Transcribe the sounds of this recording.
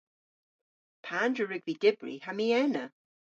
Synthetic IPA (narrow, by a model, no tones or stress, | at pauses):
pʰandɹəɹɪɡvidɪbɹḭhamiɛnə